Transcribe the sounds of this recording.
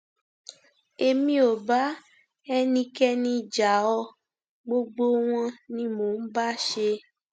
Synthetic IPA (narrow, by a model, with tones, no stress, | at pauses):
e˧mĩ˦o˨ba˦ | ɛ˦nĩ˧kɛ˦nĩ˧d͡ʒa˨ɔ˧ | ɡ͡bo˧ɡ͡bo˦w̃ɔ̃˦nĩ˦mo˨n̩˦ba˦ʃe˧